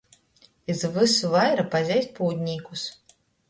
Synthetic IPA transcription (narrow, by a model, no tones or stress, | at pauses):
izvɨsuvajɾɐpazʲajsʲpɔwd̪ʲnʲijkus